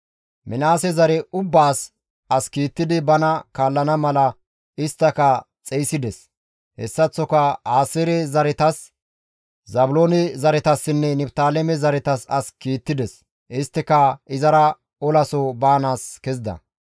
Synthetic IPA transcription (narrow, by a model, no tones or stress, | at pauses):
mɪnaːsɛzɐɾɛʊbːaːs | ʔɐskiːt̪ːɪd̪ɪbɐnɐkaːlːɐnɐmɐlɐ | ɪst̪ːɐkɐ | t͡sʼɛjsɪd̪ɛs | hɛ̰sːɐt͡sːɔkɐaːsɪɾɛzɐɾɛt̪ɐs | zɐbʊloːnɪzɐɾɛt̪ɐsːɪnːɛnɛbt̪aːlɛmɛzɐɾɛt̪ɐsɐskiːt̪ːɪd̪ɛs | ʔɪst̪ːɪkɐɪzɐɾɐ | ɔlɐsɔbaːnaːskɛzɪd̪ɐ̰